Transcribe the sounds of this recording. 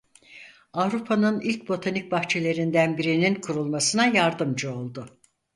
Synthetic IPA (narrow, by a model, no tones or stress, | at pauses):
avɾupʰanɯnilʲc̚bo̞t̪ʰanic̚ʲbaxt͡ʃʰe̞lʲe̞ɾind̪ænbiɾininkʰuɾulˠmasɯnajaɾd̪ɯmd͡ʒɯo̞lˠd̪ʊ